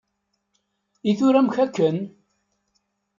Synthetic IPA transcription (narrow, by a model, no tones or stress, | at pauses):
iθʊɾæmçækːən